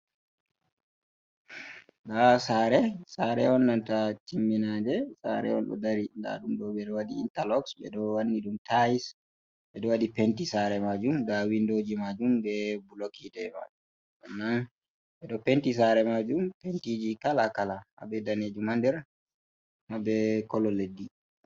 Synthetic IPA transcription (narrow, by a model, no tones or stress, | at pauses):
dasaɾɛsaɾɛ̰ɔnːantatimːinadɛsa̰ɾɛ̰ɔ̰nɗɔ̰daɾinda̰ɗumɗɔɓɛɗɔwaɗiḭntalɔksɓɛ̰ɗɔwanːiɗumtajis | ɓɛɗɔwaɗipentisaɾɛmad͡ʒumdawindoːd͡ʒimad͡ʒumbɛbulokʰitɛma̰d͡ʒum | ʔɔnːan | ɓɛɗɔpentis̬aɾɛmad͡ʒumpentid͡ʒikalakalaha̰bɛdaned͡ʒumandɛɾ | mabɛkɔlɔledːi